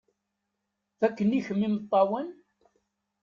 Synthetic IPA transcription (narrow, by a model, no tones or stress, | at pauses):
θækːəniçəmːimət̪ˤːɑwən